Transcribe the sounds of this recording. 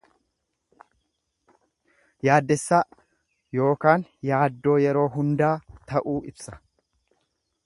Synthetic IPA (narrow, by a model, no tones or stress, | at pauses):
jaːd̪ːɛsːaː | jo̞ːkaːnjaːd̪ːo̞ːjɛɾo̞ːɦʊnd̪aːt̪ɐʔuːʔɪbsɐ̥